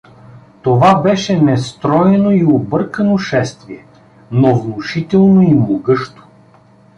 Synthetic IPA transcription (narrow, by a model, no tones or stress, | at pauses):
t̪ovabɛʃɛnɛst̪ɾɔjɛnoiobɤɾkənoʃɛst̪viɛ | novnʊʃit̪ɛlˠnoimloɡɤʃt̪o̥